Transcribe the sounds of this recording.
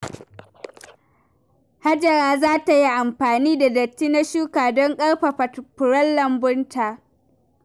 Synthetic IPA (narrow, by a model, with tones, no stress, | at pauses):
ha˦d͡ʒɐ˨ɾaː˦zaː˦ta˨ji˦ʔa˨mɸaː˨niː˦da˨dɐ˨t͡ʃːiː˦na˦ʃuː˦kaː˨dɔ˦ŋkʼɐ˦ɽɸa˨pʊ˨ɾɐ˦lːɐ˨mbʊ˦ntʰaː˨ʔ